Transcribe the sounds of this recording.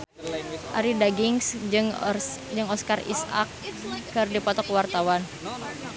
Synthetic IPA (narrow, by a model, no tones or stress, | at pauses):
ʔa̰ɾidaɡiŋsɨŋd͡ʒɨŋɔskarḭsa̰kːɨrdipɔt̪ɔkwart̪awan